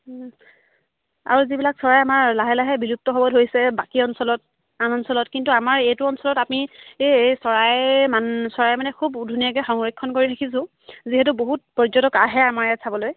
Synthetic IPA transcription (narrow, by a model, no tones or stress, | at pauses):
a̰ɹuzibilaksɔɹajamaɹlaɦɛlaɦɛbilup̚tɔɦɔbɔtɦojsɛbakiɔnsɔlɔt̚ | anɔnsɔlɔtkintuamaɹejtuɔnsɔlɔtapnieejsɔɹajmansɔɹajmanɛkʰubudʱunijakɛxɔŋɹekʰːɔnkoɹiɾʰakʰisʊ̃ | ziɦɛt̬uboɦut̚pɔzɔtɔkaɦɛamaɹɛsʰabɔloj